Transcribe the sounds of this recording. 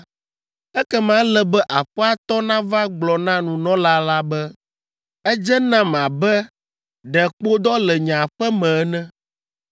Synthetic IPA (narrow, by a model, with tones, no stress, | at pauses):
ɛ˦kɛ˦mã˦lɛ˦bɛ˦ʔa˨ɸɛ˦a˦t̪ɔ˦nã˦va˦ɡ͡blɔ˨nã˦nũ˨nɔ̃˦la˦la˦bɛ˦ | ɛ˦d͡ʒɛ˦nã˦m˨ã˨bɛ˦ | ɖɛ˨k͡po˦d̪ɔ˦lɛ˨ɲã˨ɸɛ˦mɛ̃˨˦nɛ̃˦